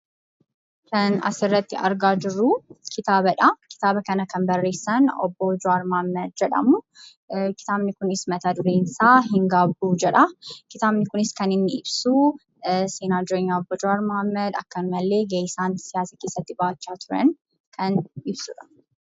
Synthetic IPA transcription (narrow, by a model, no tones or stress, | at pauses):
kɐnɐ̰sɪrːɐt̪ːɪɐ̰ɾɡaːd͡ʒɪrːukɪt̪aːbɐᶑɐkɪ̥t̪aːbɐkɐnɐkɐmbɐrːe̞ːsːɐnɔ̰bːoːd͡ʒʊaːɾmɐhɐmːɐd̪̚d͡ʒɛᶑɐ̰mʊ | kɪ̥t̪aːbnɪkʊnɪsmɐt̪aːd̪ʊɾeːnsaːɦɪŋɡaːbuːd͡ʒɛᶑɐkɪt̪aːbnɪkʊnɪskɐnɪnːɪɪbsuː | seːnaːd̪ʊɾeɲːaɔbːɔd͡ʒʊɾaːɾmɐhɐmːɐd̪ɐ̰kːɐnʊmɐlːe̞ːɡejɪsaːnsɪjaːsɐke̞ːsːɐt̪ːɪbaːt͡ʃːaːt̪ʰʊɾɐ̰n | kʰɐnɪbsuᶑɐ̥